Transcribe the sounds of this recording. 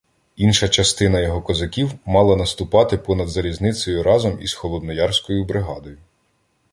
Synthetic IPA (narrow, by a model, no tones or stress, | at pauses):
inʃɐt͡ʃɐst̪ɪnɐjɔɦɔkɔzɐkʲiwmɑlˠɐnɐst̪ʊpɑt̪ɪpɔnɐd̪zɐɾʲiznɪt̪t͡s̪ʲɔjʊɾʔɑzɔmizxɔlˠɔd̪nɔjɑrsʲkɔjʊbɾɪɦɑd̪ɔjʊ